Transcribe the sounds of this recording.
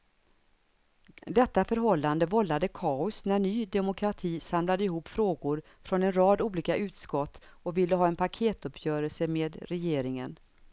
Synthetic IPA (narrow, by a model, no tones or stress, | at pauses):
d̪ɛt̪ːafœɾɦɔlːand̪əvɔlːad̪əkʰɑːʊsnæɳyːd̪ɛmʊkʰɾat̪ʰiːsamlad̪əɪɦuːpːfɾoːɡʊɾ | fɾɔnɛnɾɑːd̪uːliːkaʔʉ̟ːt̪skɔt̪ːɔvɪlːəɦɑːɛnpʰakʰeːt̪ɵpʰjœːɾəlsəmeːd̪ɾɛjeːɾɪŋə̰n